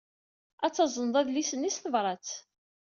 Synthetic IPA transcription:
æt͡sːɑzˤənðˤæðlisənːisθəvɾˤɑt͡s

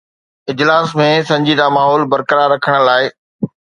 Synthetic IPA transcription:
ɪd͡ʑlaːsmẽsɐ̃ɲd͡ʑid̪amaːɦɔːlbɐɾkəɾaːɾːɐkʰəɽ̃laːɪ

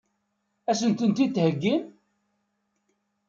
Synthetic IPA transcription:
æsənt̪ənt̪it̪ːhəɡːim

